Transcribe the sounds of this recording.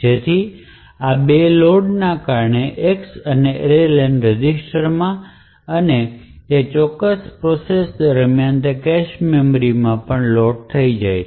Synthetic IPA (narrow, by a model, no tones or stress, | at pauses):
d͡ʒet̪ʰi | abeloɖnakaɾɳeʔeksəneɾelɛnɾed͡ʒisʈəɾmã | əne | et͡ʃɔkːəspɾɔsesd̪əɾmjant̪əkɛʃmemɾimãpəɳlɔɖ̚t̪ʰəid͡ʒajʰ